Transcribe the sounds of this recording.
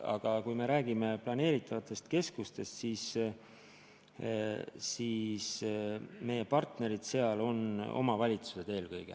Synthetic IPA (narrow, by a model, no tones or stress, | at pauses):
ɑ̰ɡ̥ɑkujme̞ɾæːɡ̥ime̞plɑne̞ːɾit̪ʰːˑɑvɑt̪ːˑe̞st̪ke̞skust̪e̞st̪siːs | siːs | me̞jepɑrt̪ne̞ɾid̪̥se̞ɑlo̞no̞̰mɑvɑlʲit̪su̥se̞d̪̥e̞ːlkɤjɡ̥ḛ